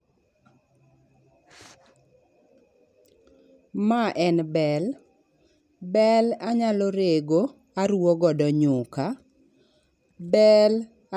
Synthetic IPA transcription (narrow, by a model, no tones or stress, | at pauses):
maʔɛnbɛl | bɛlaɲalɔɾeɡo | aɾuwoɡɔdɔɲʊka | bɛl